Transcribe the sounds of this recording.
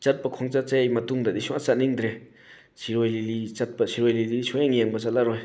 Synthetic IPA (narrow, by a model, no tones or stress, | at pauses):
t͡ʃat̚pɐkʰɔŋt͡ʃat͡sajmɐtuŋdadisuŋat͡sat̚niŋdɾe | siɾɔjlilit͡ʃat̚pɐsʰiɾɔjlilisuŋjeŋjeŋbɐt͡ʃat̚laɾɔj